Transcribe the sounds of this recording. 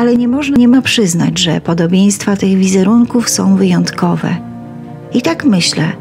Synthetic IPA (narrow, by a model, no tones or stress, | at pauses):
alɛɲɛmɔʐnaɲɛmapʂɘzna̰d͡ʑʐɛ̰pɔd̪ɔbʲjej̃st̪fat̪ɘɣvʲizɛɾuŋkufsɔ̃w̃vɘjɔnt̪kɔvɛ̰ | it̪akmɘɕlɛ̰